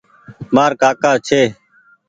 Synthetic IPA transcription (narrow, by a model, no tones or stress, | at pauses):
maːɾkaːkaːt͡ʃʰeː